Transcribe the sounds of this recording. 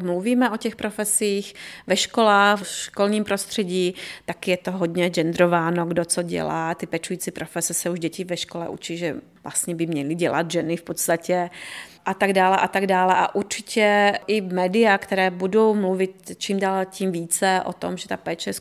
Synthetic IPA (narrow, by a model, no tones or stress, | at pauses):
mluviːmɛʔo̞cɛxpɾofɛsiːxvɛʃkolaːxʃkolɲiːmpɾost̪r̝̥ɛɟiːt̪akɪjɛt̪oɦodɲɛʒɛnd̪ɾovaːnoɡdot͡soɟɛ̰laːt̪ɪpɛt͡ʃujiːt͡sipɾofɛsɛsɛuʒɟɛcɪvɛʃkolɛ̰ʔṵt͡ʃiʒɛ | vlʔa̰st̪ɲɛbɪmɲɛlɪɟɛla̰d̪ʒɛnɪfpot̪st̪acɛʔat̪aɡdaːlɛʔat̪aɡdaːlɛʔa̰ʔuɾt͡ʃɪcʰɛʔɪmɛːdɪjakt̪ɛɾɛːbudo̞wmluvɪt̪t͡ʃiːmdaːlciːmviːt͡sɛʔo̰t̪o̰mʒɛt̪apɛːt͡ʃɛs